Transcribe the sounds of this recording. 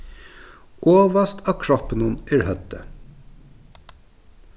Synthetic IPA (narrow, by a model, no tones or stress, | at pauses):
ʔoːʋɑst̪ʰɑːkʰɹɔpənunʔæːɹhœt̪ə